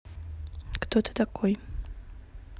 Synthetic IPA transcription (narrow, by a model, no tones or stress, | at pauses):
kt̪ot̪ə̥t̪akʰoj